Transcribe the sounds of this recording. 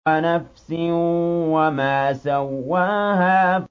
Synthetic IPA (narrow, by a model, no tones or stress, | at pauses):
anafsɪwamaːsawːaːhaː